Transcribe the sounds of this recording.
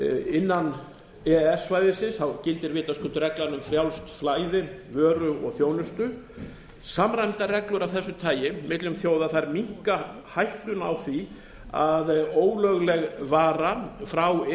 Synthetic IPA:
ɪnːan | ɛɛsvaːjðɪsɪnsθawcɪlt̪ɪɾvɪːt̪askʰʏnt̪ʏɾɛklanʏmfɾjawlst̪flaːjðɪvœːɾʏɔ̰ɣθjoːwnʏst̪ʏ | samɾajmt̪arɛklʏɾawθɛsːʏt̪ʰaːjɪmɪt̪lʏmθjoːwðaθajɾmiŋ̥ka | hajht̪ʏna̰wθvi | aðoːwlœɣlɛɣvaːɾafɾaw

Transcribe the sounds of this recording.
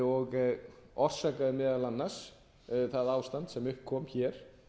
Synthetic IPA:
ɔɣɔr̥saːkaðɪmɛːðalanːas | θaðaːwst̪ant̪sɛmʏhpkʰɔːmçɛːɾ̥

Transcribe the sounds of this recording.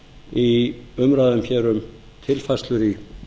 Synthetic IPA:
iʏmɾaːðʏmçɛːɾʏm | t̪ʰɪlfast̪lʏɾi

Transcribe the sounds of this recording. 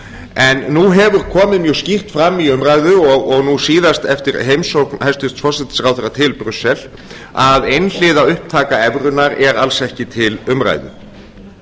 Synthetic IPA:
ɛnːuɦɛvʏɾ̥kʰɔːmɪmjʏscir̥t̪fɾamːiʏmɾaːjðʏɔɣɔɣnusiːðast̪ɛft̪ɪɾ̥ɦejmsowknhɛst̪ʏst̪sfɔsɛt̪nɪ̥sɾawθɛɾat̪ʰɪlpɾʏsːɛl | aðejnl̥ɪːðaʏhp̚t̪ʰaːkaɛvɾʏnːaɾɛɾalsɛhcɪt̪ʰɪlʏmɾa̰ːjðʏ̰

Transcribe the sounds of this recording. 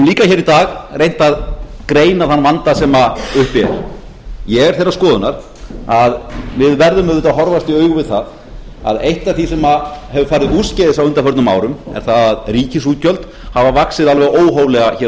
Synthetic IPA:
mliːkaçɛːɾit̪aːɣrejn̥t̪aðkɾeːjnaðθanːvant̪asɛmaʏhpɛɾ̥ | jɛɣɛɾ̥θejɾaskɔːðʏnaɾ̥ | aðvɪðvɛɾðʏmœðʏt̪aɦɔɾvast̪iœːɥɣʏvɪðθað | a̰ðejht̪aθisɛmahɛvʏfaːɾɪuscɛðɪsawʏnt̪aɾfœɾt̪nma̰ːwɾʏmɛ̰ɾ̥θaðaðriːcɪs̬uːt̪cœlt̪ | havavaksɪðalvɛɣoːwɦowvlɛɣaçɛː

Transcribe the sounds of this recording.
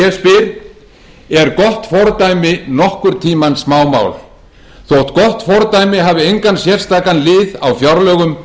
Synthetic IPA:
ɛspɪɾ | ɛɾkɔht̪fɔɾt̪ajmɪnɔhkʏɾ̥t̪ʰiːmansmaːwma̰ːwl | θowht̪kɔht̪fɔɾt̪aːjmɪɦaːvɪejŋkansjɛr̥st̪aːkanlɪːðawfjawɾlœːɣʏm

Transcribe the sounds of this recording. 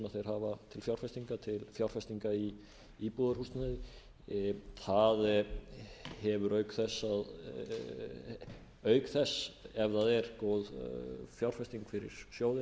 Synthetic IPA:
maθejɾ̥ɦaːvat̪ʰɪlfjawɾ̥fɛst̪iŋkat̪ʰɪlfjawr̥fɛst̪iŋkai | ipuðaɾhust̪naðɪ | θað | hɛvʏɾœɥkθɛsːað | œːɥkθɛsːɛvðaðɛɾkowðfjawr̥fɛst̪iŋkfɪɾɪ̰ɾ̥sjoːwðɪ

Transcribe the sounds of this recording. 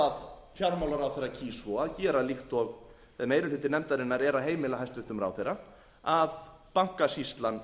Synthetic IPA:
að | fjawɾmawlaɾawθerːacʰiːsɔaðcɛːɾalixt̪ɔɣ | vɛðmejɾʏlʏt̪ɪnɛmt̪aɾɪnːaɾɛɾaðɦeːjmɪlaɦast̪vɪht̪ʏmɾa̰wθejɾa | aðpaŋ̥kasist̪lan

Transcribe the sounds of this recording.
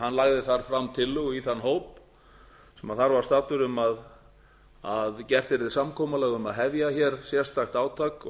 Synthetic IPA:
hanːlaɣðɪθaɾ̥fɾamːt̪ʰɪlːʏɣiθanːɦoːwp̚ | sɛmaðθaɾvaɾ̥st̪aːt̪ʏɾʏmað | aðcɛr̥t̪ɪɾðɪsamkʰɔːmalɛːɣʏmaðɦɛvjaçɛɾ̥sjɛr̥st̪axt̪aːwt̪ʰaːk

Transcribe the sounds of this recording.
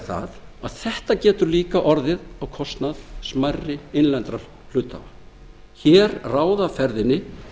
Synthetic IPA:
θa̰ðaðθɛht̪acɛːt̪ʏɾliːkaʔɔɾðɪðawkʰɔst̪naðsmarːɪejnlɛnt̪ɾa | fl̥ʏːt̪a̰va | çɛːɾraːwðafɛɾðɪnːɪ

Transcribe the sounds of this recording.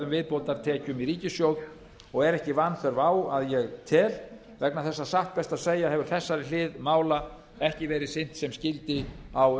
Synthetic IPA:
ðʏmvɪðpowlt̪aɾt̪ʰɛːcʏmiɾiːcɪsjowð | ɔɣɛɾɛhcɪvanːθɛɾvaːwaðjɛɣt̪ʰɛːl | vɛknaθɛsːasaht̪̚pɛst̪aðseːjaɦɛvʏɾ̥θɛsːaɾɪlɪːðmaːwla | ɛhcɪvɛːɾɪsɪn̥t̪sɛmscɪlt̪ɪaw

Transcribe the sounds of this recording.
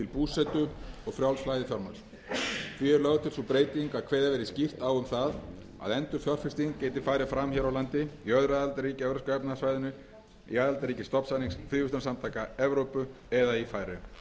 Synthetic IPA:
t̪ʰɪlpuːsɛt̪ʏɔɣfɾjawlsflajðɪθjɔɾma̰̥s | fiɾlœɣʏt̪ʰɪlsɔpɾeːjt̪iŋkaðkʰveːjðavɛːɾɪscɪft̪aːwʏmθað | a̰ðɛnt̪ʏfjɔr̥fɪst̪iŋceːjt̪ɪfaːjɾɪfɾamçɛɾawlant̪ɪiœðɾaːðalt̪aɾriːcɪɛvɾʏskʏɛpnasvajðʏnʏ | ḭaːðalt̪aɾiːcɪst̪ɔpsaniŋsfɾiːvʏst̪ʏnsamt̪ʰaːkaɛvɾowpʏ | ɛðaifaːjɾʏ

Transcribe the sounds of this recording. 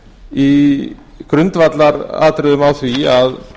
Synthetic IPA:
i | kɾʏnt̪vat̪laɾa̰ːt̪ɾɪðʏmawθviað

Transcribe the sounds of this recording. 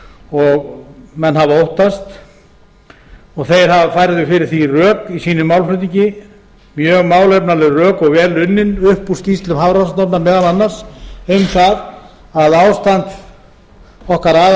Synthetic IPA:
ɔɣmɛnːhavaowht̪ast̪ | ɔɣθejɾ̥havafajɾɪðɪfɪɾɪɾ̥θirœːkisiːnʏmːawlflʏːt̪ːiɲcɪ | mjœːɣmaːwlejpnalɛɣrœːkɔɣvɛːlʏnːɪnʏhpuscist̪lʏmhavɾasat̪ɔpnamɛːɣananːar̥sejmθað | aðawst̪ant̪ | ɔhkaɾaːð

